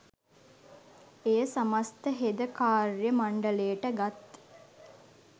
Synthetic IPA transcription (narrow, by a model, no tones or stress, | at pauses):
ejəsamast̪əɦed̪əkaːɾjəmaɳɖəlejəʈəɡat̪